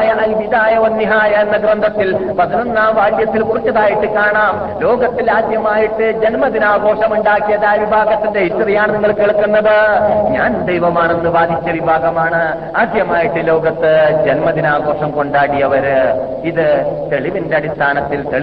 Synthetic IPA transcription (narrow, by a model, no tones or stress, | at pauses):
jɐʔɐiʋid̪aːjɐʋɐnːiɦaːjɐenːɐɡrɐnd̪ʱɐt̪ːilpɐðinonːaːmʋaːɻjɐt̪ːilkurit͡ɕːɐðaːjiʈːɨkaːɳaːm | lo̞ːɡɐt̪ːilaːd̪jɐmaːjiʈːɨd͡ʑenmɐðinaːɡo̞ːʂɐmuɳɖaːkːijɐðaːʋibʱaːɡɐt̪ːindeiʈːɐðijaːɳɨniŋːɐɭkeɭkːunːɐðɨɲaːnd̪ejʋɐmaːɳe̞nːɨʋaːd̪ʱit͡ɕːɐʋibʱaːɡɐmaːɳɨ | aːd̪jɐmaːjiʈːɨlo̞ːɡɐt̪ːɨd͡ʑenmɐðinaːɡo̞ːʂɐmko̞ɳɖaːɽijɐʋɐɾ | iðɨt̪e̞ɭiʋindeɐɽist̪ʰaːnɐt̪ːilt̪eɭ